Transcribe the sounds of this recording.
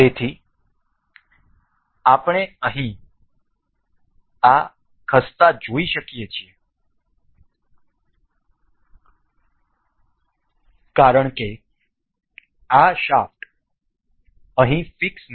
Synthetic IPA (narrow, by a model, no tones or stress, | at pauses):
et̪ʰi | apɳ̃eəɦĩ | a | kʰəst̪ad͡ʒoiʃəkjet͡ʃʰie | kaɾəɳke | aʃaft̪ | əɦĩfiksn